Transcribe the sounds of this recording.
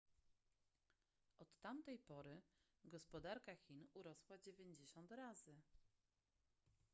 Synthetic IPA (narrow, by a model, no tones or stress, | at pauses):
ʔɔt̪ːamt̪ɛjpɔɾɘ | ɡɔspɔd̪aɾkaxʲinuɾɔswad͡ʑevʲjeɲd͡ʑeɕɔnt̪ɾazɘ